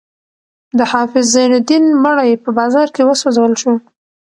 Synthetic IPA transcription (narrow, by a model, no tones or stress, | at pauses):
d̪əhɑfɪzːajnad̪inməɽajpəbɑzɑɾkewəsozawəlʃu